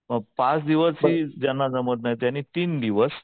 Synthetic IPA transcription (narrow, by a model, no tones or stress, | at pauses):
məɡ̚pat͡sd̪iʋəsɦiːd͡ʑanːad͡zəmət̪naɦt̪jañit̪iːnd̪iʋəs